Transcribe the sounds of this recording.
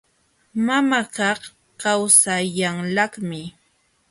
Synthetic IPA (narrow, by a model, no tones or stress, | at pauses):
mamakɑχ | kawsaʎaŋlɑχmɪ